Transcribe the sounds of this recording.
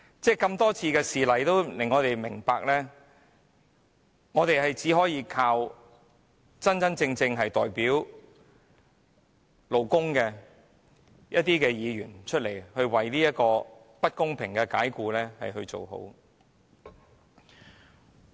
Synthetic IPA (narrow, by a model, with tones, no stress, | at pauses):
t͡sɛː˥˩kɐ˧mt̪ɔː˥t͡sʰiː˧kɛː˧siː˨lɐ˨˩jt̪o˥wlɪ˨˩ŋɔː˨˧t̪e˨jmɪ˨˩ŋpaː˧k̚lɛː˥ | ŋɔː˨˧t̪e˨jhɐ˨jt͡siː˨˥ɦɔː˨˥jiː˨˧kʰaː˧w | t͡sɐ˥nt͡sɐ˥nt͡sɪ˧ŋt͡sɪ˧ŋɦɐ˨jt̪ɔː˨˩jpiː˨˥w | lo˨˩wkʊ˥ŋkɛː˧ | jʔɐ˥t̚t̪iː˥kɛː˧jiː˨˧ɥyː˨˩nt͡ʃʰɵ˥t̚le˨˩jhɵ˧ɥwɐ˨jliː˥jɐ˥t̚kɔː˧ | pɐ˥t̚kʊ˥ŋpʰɪ˨˩ŋkɛː˧kaː˨˥jkuː˧lɛː˥hɐ̰˨jhɵ˧ɥt͡so̰˨wɦo̰˨˥w